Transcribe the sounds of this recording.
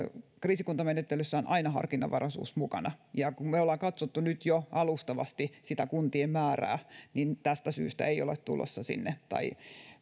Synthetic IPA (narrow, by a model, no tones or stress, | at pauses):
kriːsikunt̪ɑmenet̪ːelysːæonʔɑinɑhɑ̰rkinːɑ̰ʋɑrɑsṵːsmukɑnɑjɑkummeolːɑkɑt̪sot̪ːunyt̪joɑlust̪ɑʋɑ̰st̪isit̪ækunt̪iemmæːræ̰ːnint̪æst̪æsy̰ːst̪æ̰eio̰let̪t̪ṵlo̰sːɑsḭnːet̪ɑ̰i